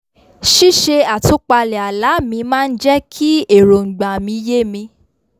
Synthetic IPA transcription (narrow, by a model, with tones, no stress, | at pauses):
ʃi˦ʃe˧a˨tu˨˦k͡pa˧lɛ˨a˨la˨˦mĩ˧mãː˦n̩˦d͡ʒɛ˦kʰi˦e˦˨ɾo˨ŋ̩˨ɡ͡ba˨mĩ˧je˦˨mĩ˧